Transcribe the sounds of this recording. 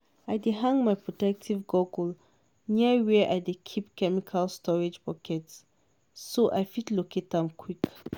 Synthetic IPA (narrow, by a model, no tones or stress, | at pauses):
aɪdeɦãŋmajpʰɹɔtɛk̚tʰivɡoɡl | niəwɛʔa̰jdekʰipkʰɛmikʰalstʰɔɹid͡ʒpɔkʰɛtsː | oʔa̰jfitloket̪̚ðãmkʰwik